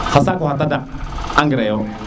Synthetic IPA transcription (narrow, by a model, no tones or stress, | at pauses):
xasakahat̬adaaŋɡəɾajo